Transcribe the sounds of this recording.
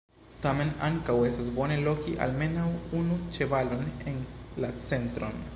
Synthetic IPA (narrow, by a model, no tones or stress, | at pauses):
tame̞naŋkawe̞stasbo̞ne̞lo̞kiʔa̰lme̞nawunut͡ʃe̞valo̞nenlat͡se̞ntɾo̞̰n